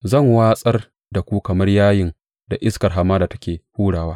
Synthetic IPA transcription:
zɐ˦˨ŋwaː˦sʼɐ˦r | da˨kʷuː˦kɐ˨mɐ˦rjaː˦jɪ˨n | da˨ʔɪ˦skɐ˨rɦa˨mːaː˦da˨tɐ˦kʲeː˨huː˦ɽaː˨waː˦

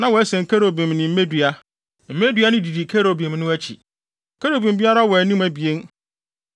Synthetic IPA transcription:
nã˦wɔ˨˦ɛ˦sɛ̃˨ŋ̩˨kʰæ˦ɾo˨bi˨mnɪ̃˨m̩˦e˦dɥa˦ | m̩˦me˦dɥa˦nɪ̃˦di˨di˨kʰe˦ɾo˨bi˨m˦nʊ̃˦æ˦t͡ɕʰi˨ | kʰæ˦ɾo˨bi˨m˦bi˦a˦ɾa˦wɔ˨˦nĩ˦mæ˨bi˨e˦n

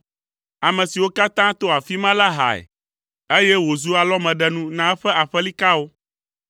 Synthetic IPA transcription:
a˨mɛ̃˨si˨wo˦ka˦t̪ã˦t̪o˦a˨fi˦mã˦la˦ɦa̰˨ɛ̰˨ | e˦jɛ˦wo˨zu˦a˨lɔ˦mɛ̃˨ɖɛ˦nũ˦nã˦ɸɛ˦a˨ɸɛ˦li˦ka˦wo˦

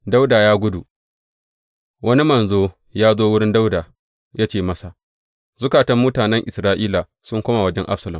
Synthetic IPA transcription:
da˦wda˨jaː˦ɡʷʊ˦du˨ | wɐ˦ni˦mɐ˨nzoː˦ | jaː˦zoː˦wʊ˦ɽɪ˦nda˦wda˨ | jaː˦t͡ʃeː˨mɐ˦sa˨ | z̥ʊ˦kaː˨tɐ˦mːuː˦taː˨nɛ˦ŋʔɪ˨sɾaː˦ʔiː˦la˨ | sʊ˦ŋkʷoː˦ma˨wɐ˦d͡ʒɛ˦ŋʔa̰˦ɸsɐ˨lɐ˨m

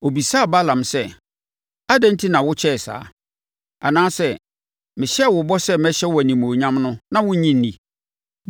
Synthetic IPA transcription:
o˨bi˨saː˦˨ba˦lã˨msɛ˦ | a˦dɛ̃˦n̩˦tʰi˦nã˨wʊ˦t͡ɕʰɛ˦˨sa̰ː˨˦ | a˨nãː˦sɛ˦˨ | mɪ̃˨ɕɛ˦˨wʊ˨bɔ˦sɛ˦mɛ˦ɕɛ˦wæ˨nĩ˨mõː˨ɲã˦mnʊ̃˦nã˦wʊ̃˦ɲĩ˦n̩˦nĩ˨

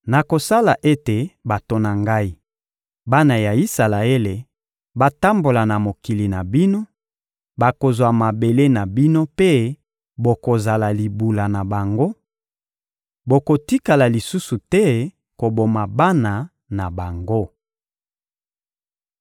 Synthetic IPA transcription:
na˨ko˨sa˦la˨ʔe˦te˨ba˨to˨na˨ŋɡa˦i˦ | ba˦na˨ja˨i˦sa˨la˨e˦le˨ | ba˦˨ta˦mbo˨la˨na˨mo˨ki˨li˨na˨bi˦no˦ | ba˨ko˨zwa˨ma˨be˨le˦na˨bi˦no˦pe˦ | bo˨ko˨za˨la˨li˨bu˨la˨na˨ba˨ŋɡo˦ | bo˨ko˨ti˦ka˨la˨li˨su˦su˨tɛ˦ | ko˨bo˨ma˨ba˦na˨ | na˨ba˨ŋɡo˦

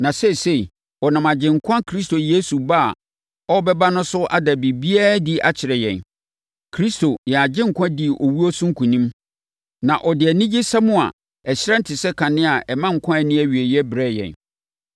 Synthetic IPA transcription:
nã˨sɛ˦˨se˦˨ | ɔ˨nã˨ma˨d͡ʑɪ̃˨ŋ̩˨kʷʰã˦kʰɾi˦s̬to˨je˦su˨ba̰˦˨ | ɔ˦bɛ˦ba˦nʊ̃˦sʊ˦ʔa̰˦da˨bi˨bi˦a˦di˦ʔa̰˨t͡ɕʰɪ˨ɾɛ˨jɛ̰̃˨n | kʰɾi˦sto˨jɛ˨a˨d͡ʑɪ̃˦ŋ̩˨kʰʷã˦di˨ɔ˨wu˦ɔ˦sʊ̃˦ŋ̩˦kʰũ˨nĩ˦m | nã˨ʔɔ˨dɪ˨ɛ˨nĩ˦d͡ʑi˦sa˦mʊ̃˦a̰˨ | ɛ˨ɕɪ˦ɾã˦n̩˦tʰɪ˨sɛ˦kʰã˨nɪ̃˦a˨ʔɛ˨mã˦ŋ̩˨kʰã˦ɛ˨nɪ̃˦æ˦ɥi˨e˨jɛ˦bɾɛ˦˨jɛ̰̃˨n

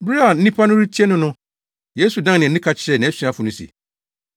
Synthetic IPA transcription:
bɾi˦a˨n̩˦ĩ˦pʰa˦nʊ̃˦ɾi˦tʰi˦ɛ˦nʊ̃˦nʊ̃˦ | je˦su˨dã˦nɪ̃˨˦ĩ˦kʰa˨t͡ɕʰɪ˨ɾɛ˨nɪ̃˨˦ɛ˦si˨˦a˦fʊ˨nʊ̃˦sḭ˨

